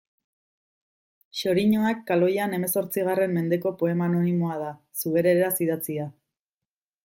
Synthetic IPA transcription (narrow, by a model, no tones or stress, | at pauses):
ʃo̞ɾiɲoakːalo̞jane̞me̞so̞ɾt͡siɣare̞mːe̞nd̪e̞ko̞po̞e̞maːno̞nimo̞að̞a | suɣe̞ɾe̞ɾeɾasiðat͡sia